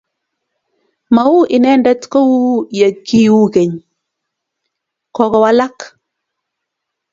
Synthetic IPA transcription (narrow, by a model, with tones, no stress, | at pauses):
ma˨u˦ʔɪ˨nɛ˦ndɛ˦tkɔ˦wu˦ja˨kːi˦wu˦ke˨ɲ | kɔ˦kɔ˦wa˦la˦k